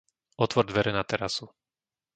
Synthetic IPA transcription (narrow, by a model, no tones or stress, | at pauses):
ɔt̪ʋɔɾd̪ʋɛɾɛnat̪ɛɾasu